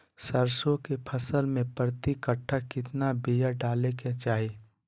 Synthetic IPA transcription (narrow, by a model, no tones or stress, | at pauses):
səɾsõkepʰəsəlmẽpɾət̪ikəʈʰakɪt̪nabijaɖaːleket͡ʃaːɦi